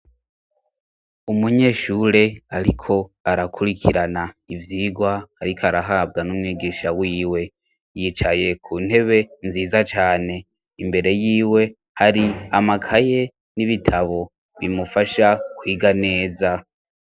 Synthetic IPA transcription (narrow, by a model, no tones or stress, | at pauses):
umuɲe̞ːʃuːɾe̞aɾikʰo̞aɾakʰuɾikʰiɾanaivjiːɡwaːɾikʰoaɾaɦab̚ɡanumŋiːɡiːʃawiːwe̞ | jit͡ʃaje̞kʰuːn̥he̞βe̞nziːzat͡ʃaːne̞ | imbe̞ɾe̞jiːwe̞ | haɾiamakʰaje̞ | niβitʰaβo̞ | βimufaʃakwiːɡane̞ːza